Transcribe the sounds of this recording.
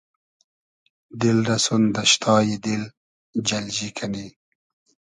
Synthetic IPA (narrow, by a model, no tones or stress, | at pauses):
d̪ɪlɾɐsund̪əʃt̪ʰɑːjid̪ɪl | d͡ʒɐld͡ʑikʰani